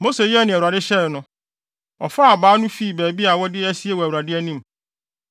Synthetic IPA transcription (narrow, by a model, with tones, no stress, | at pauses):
mo˦se˨jɛ˦˨nɪ̃˨u˨ɾa˨dɪ˦ɕɛ˦ɾnʊ̃˦ | ɔ̰˨fa˦a˨baː˨˦nʊ̃˦fi˦˨bæː˨bi˦a˨wɔ˦dɪ˦æ˦si˦e˦wɔ˨æ˨wu˨ɾa˨dɪ˦æ˦nĩ˦m˨